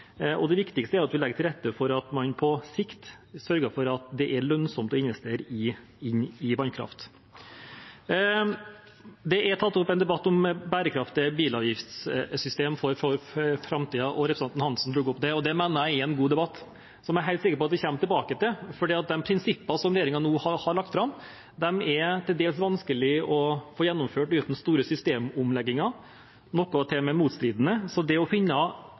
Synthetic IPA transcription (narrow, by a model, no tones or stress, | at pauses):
ɔ̰d̪ɛʋɪkt̪ɪkst̪əæɾɑt̪ʋɪlɛɡət̪ʰɪlɾɛt̪ːəfɔɾɑt̪mɑnpʰɔsɪkt̪sœɾɡəfɔɾɑt̪d̪ɛʔæɾɭœnsɔmt̪ɔɪnʋɛst̪eːɾəɪ | ɪnɪʋɑnkʰɾɑ̰ft̪ | d̪ɛʔæɾt̪ʰɑt̪ːɔpːɛɪnd̪ɛbɑt̪ːɔmbæːɾəkʰɾɑft̪ɪəbiːlɑːʋjɪft̪ssʏst̪eːmfɔɾfɔɾfɾɑmt̪ʰiːɑʔɔɾɛpɾsɛnt̪n̩hɑnsn̩d̪ɾuɡɔpːd̪ɛɔd̪ɛmænəɾjæɪɪɛnɡuːd̪ɛbɑt̪ː | sɔmɛæɾɦæɪlt̪sɪkəɾpɔɑt̪ʋ̪ɪçɛmːt̪ɪlbɑːkət̪ɪlfɔɖiːɑt̪̚d̪ɛmpʰɾɪnsɪpːɑsɔmɾɛjeːɾɪŋɑnuːhɑhɑɾɭɑk̚t̪fɾɑmː | d̪ɛmɛɾt̪ʰɪld̪eːlsʋɑnskəlɪɔfoːjɛnːʊmføːʈʉːt̪n̩st̪uːɾəsʏst̪eːmʊmlɛɡːɪŋɑ | nɔkːɔt̪ʰɛmɛmuːt̪st̪ɾiːd̪ənəsɔd̪ɛɔfɪnːə